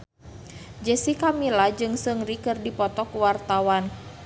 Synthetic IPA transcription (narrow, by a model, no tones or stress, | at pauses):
d͡ʒəsikamilad͡ʒɨŋsɨŋrikɨrdipɔt̪ɔkuwart̪awan